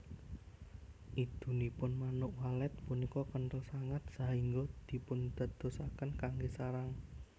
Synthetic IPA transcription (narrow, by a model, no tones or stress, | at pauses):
ʔid̪̥ṳnipʊnmanʊʔwalɛt̪̚punikɔkənt̪əlsaŋət̪̚saɦiŋɡod̪̥i̤pʊnd̪̥a̤d̪̥o̤sakənkaŋɡesaɾaŋ